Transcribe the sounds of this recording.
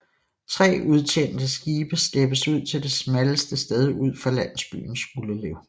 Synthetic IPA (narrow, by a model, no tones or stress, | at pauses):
t͡sʰʁɛ̰ːʔuð̞ˠt͡ɕʰen̰d̥əsɡ̥iːb̥əsd̥eb̥əsuð̰ˠt͡sʰe̝ld̥e̝smæləsd̥əsd̥eð̞ˠuð̞̰ˠfʁɑ̈læn̰sb̥y̰ːn̩suləleʊ